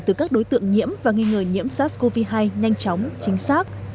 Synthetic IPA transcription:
t̪ɨ˨˩kaː˦˥k̚ɗo˨˦jt̪ɨ̰˧˨əŋɲḭ˧˥əmvaː˨˩ŋi˧ŋəː˨˩ɲḭ˧˥əmsaː˦˥ko˧vi˧ɦaː˧jɲa˧jŋ̟t͡ɕɔ˨˦wŋ͡mt͡ɕï˨˦ŋ̟saː˦˥k̚

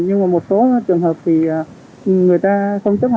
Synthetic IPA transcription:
ɲɨ˧ŋmaː˨˩mo˨˩t̚so˨˦˨t͡ɕɨ˨˩əŋɦəː˨˩p̚vʰi˨˩ʔaː˨˩˨ | ŋɨ˨˩əjt̪aː˧xə˧wŋ͡mt͡ɕə˦˥˨

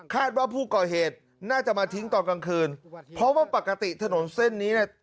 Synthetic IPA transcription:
kʰaː˥˩t̪̚waː˥˩pʰuː˥˩kɔː˨˩heː˨˩t̪̚ | naː˥˩t͡ɕa˨˩maː˧t̪ʰi˦˥ŋt̪ɔː˨˧nka˧ŋkʰɯː˧npʰɾɔ˦˥waː˥˩pa˨˩ka˧t̪i˨˩t̪ʰa˧no˩˦nse˥˩nːiː˦˥ni˥˩

